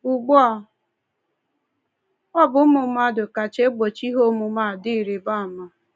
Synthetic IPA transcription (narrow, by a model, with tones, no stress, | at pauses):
u˨ɡ͡bɔ˦ɔ˨ | ɔ˦bʊ˨˦mʊ˨˦ma˦˨dʊ˨ka˨t͡ʃe˦ɡ͡bo˨t͡ʃi˦ɦo˦mu˨ma˦˨di˦˨ɾi˨ba˦˨ma˨